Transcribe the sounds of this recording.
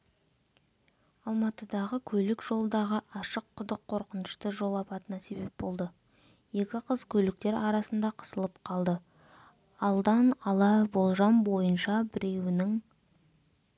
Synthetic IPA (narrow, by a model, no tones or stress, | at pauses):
ɑlˠmɑt̪əd̪ɑʁəkʲʰɵlɪkʒ̥o̞lˠəd̪ɑʁəʔɑʃəqʰːʊd̪əqʰːo̞ɾqənəʃt̪əʒo̞lˠɑpɑt̪ənɑse̞be̞p̚bo̞lˠd̪ə | je̞kʲɪqʰəzkʲʰɵlɪk̚t̪e̞ɾɑɾɑsənd̪ɑqʰə̥səlˠəp̚qʰɑlˠd̪ə | ɑlˠd̪ɑnɑlˠɑbo̞lˠʒɑmbo̞jənʃɑbɪɾʔe̞wɪnɪŋ